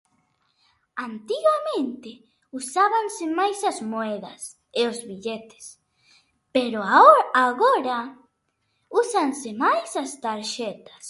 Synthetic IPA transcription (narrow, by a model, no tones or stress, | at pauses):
ant̪iɣamẽnt̪ɪ | usaβansemajsɐzmoɛðɐ̰s | eozβiʎet̪ɪ̥s | peɾoaaɣoɾa | usansemajsast̪aɾʃɛt̪ḁs